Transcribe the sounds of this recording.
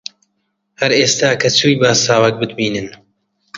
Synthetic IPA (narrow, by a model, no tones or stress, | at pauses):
hɐɾeːst̪aːkʰɐt͡sʰuːjbaːsaːwɛk̚bɨd̪̚biːnɨn